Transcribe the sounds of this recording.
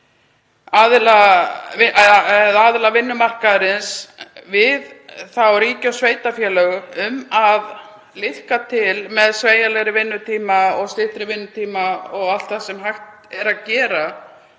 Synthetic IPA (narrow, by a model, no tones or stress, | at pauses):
aðlaɪɛðaðlavɪnːʏmar̥kaðɾɪnsvɪðθawɾiːcawsveːjt̪afjɛːlœɣʏʏmað | lɪhkat̪ʰɪlmɛðsveːjalɛɣɾɪvɪnːʏt̪ʰiːmaɔɣst̪lɪht̪ɾɪvɪnːʏt̪ʰiːmaɔɣal̥t̪θaðsɛmɦajxt̪ | ɛɾaðcɛːɾa